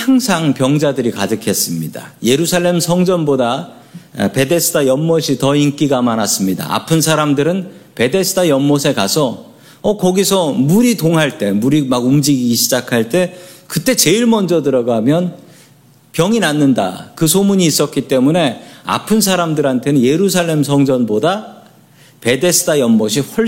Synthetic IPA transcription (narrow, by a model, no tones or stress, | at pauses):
haŋsʰaŋpjʌŋd͡ʑadɯɾikadɯkʰe̞s͈ɯmɲida̰je̞ɾusʰaɭːe̞msʰʌŋd͡ʑʌnboda̰ | pe̞de̞sʰɯdʰajʌmːoɕʰitʌink͈iɡamanas͈ɯmɲida̰ʔa̰pʰɯnsʰaɾamdɯɾɯnpe̞de̞sʰɯ̥dʰajʌmːosʰe̞kasʰʌ | ʌkʌɡisʰʌmuɾitoŋɦaɭt͈e̞muɾimaɡumd͡ʑiɡiɡiɕʰid͡ʑakʰaɭt͈e̞kɯt͈e̞t͡ɕe̞iɭmʌnd͡ʑʌtɯɾʌɡamjʌn | pjʌŋinanːɯnda̰kɯsʰomuɲiːs͈ʌk͈it͈e̞mune̞a̰pʰɯnsʰaɾamdɯɾɦantʰe̞nɯnje̞ɾusʰaɭːe̞msʰʌŋd͡ʑʌnboda | pe̞de̞sʰɯ̥dʰajʌmmʌɕ̬ʰiɸwʌ